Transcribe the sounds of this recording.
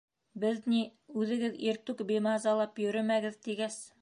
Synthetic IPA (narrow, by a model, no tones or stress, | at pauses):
bɘðniʉðɘ̆ɡɘðiɾt̪ʉkbemɑzɑlˠɑpjɵ̆ɾɘmæɡɘðt̪iɡæs